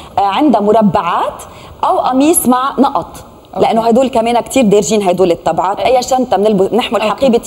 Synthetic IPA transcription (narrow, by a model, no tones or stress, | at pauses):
ʕɪnd̪amʊɾˤabːaʕaːt̪ | ʔawʔɑmiːsmaʕnɑʔɑt̪ˤ | lɪʔanːoɦajd̪uːlkameːnakt̪ʰiːɾd̪eːɾʒiːnɦajd̪uːlɪt̪ːɑbʕaːt̪ʔajːaʃaːnt̪amnɪlbʊnɪħmʊlħaqiːbɪ